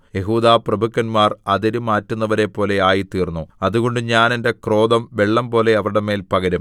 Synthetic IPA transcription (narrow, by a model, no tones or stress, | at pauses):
je̞ɦuːðaːprɐbʱukːɐnmaːrɐðɐɾumaːtːunːɐʋɐɾe̞pːo̞ːle̞aːjit̪iːrnːuɐðuɣo̞ɳɖɨɲaːne̞nde̞kro̞ːd̪ɐmʋe̞ɭːɐmpo̞ːle̞ɐʋɐɾɽeme̞ːlpɐɣɐɾum